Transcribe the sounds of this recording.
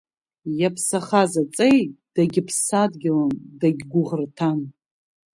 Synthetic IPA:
japʰsaχazat͡sʼejtd̥aɡʲɪpʰsadɡʲɪlandaɡʲɡʷʊʁərtʰan

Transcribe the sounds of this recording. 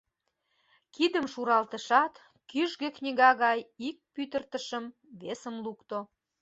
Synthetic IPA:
kid̪əmʃuɾɑlt̪əʃɑt̪ | kyʒɣeknʲiɣɑɣɑjik̚pyt̪ərt̪əʃəm | βesəmlukt̪o

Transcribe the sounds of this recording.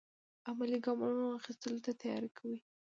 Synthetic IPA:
amaliɡɑmunoaxist̪əlot̪at̪ajɑ̰ɾekʰawi

